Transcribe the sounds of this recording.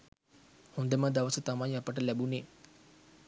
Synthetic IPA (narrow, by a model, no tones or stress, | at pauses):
hund̪əmad̪aʋəsət̪amajapəʈəlæbuneː